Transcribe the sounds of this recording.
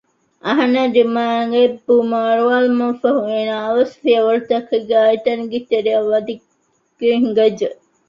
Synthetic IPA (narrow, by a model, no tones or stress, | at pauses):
ʔɐɦɐnɐdimaːŋɡebumaːɾuʋaːlmɐfɐɦueːnaːʋɐsfijɐʋɐɾut̪ɐkːeɡaːit̪ɐnɡit̪eɾeɐʋɐd̪i | ɡ̥eŋɡɐd͡ʒə